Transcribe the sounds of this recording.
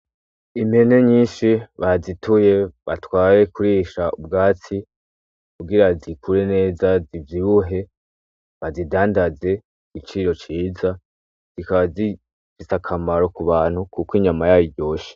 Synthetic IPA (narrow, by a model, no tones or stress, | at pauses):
ime̞ne̞ɲiːnʃiβazitʰuje̞βatwaːje̞kuɾiːʃaubɡaːt͡si | kuɡiɾazikʰuɾe̞ne̞ːzazivjiβuɦe̞ | βazidaːndaze̞ | ɡ̥it͡ʃiɾo̞t͡ʃiːza | z̥ikaβazi | fisakʰamaɾo̞kuβaːn̥hukukiɲamajaːjiɟɟo̞ːʃi̥